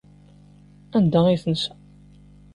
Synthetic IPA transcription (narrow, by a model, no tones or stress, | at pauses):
ænd̪æiθəns